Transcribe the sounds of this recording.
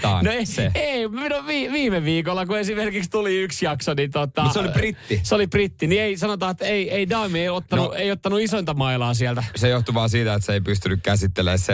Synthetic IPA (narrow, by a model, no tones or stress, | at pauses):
noeseeiminuʋiːʋiːmeʋiːkolːɑkuesimerkikst̪uliyksjɑksonit̪ot̪ːɑseoliprit̪ːiseoliprit̪ːinieisɑnot̪ɑːet̪ːeieidɑːmieiot̪ːɑnueiot̪ːɑnuisont̪ɑmɑilɑːsiælt̪æsejoht̪uʋɑːsiːt̪æet̪seeipyst̪ynykkæsit̪ːelḛːsse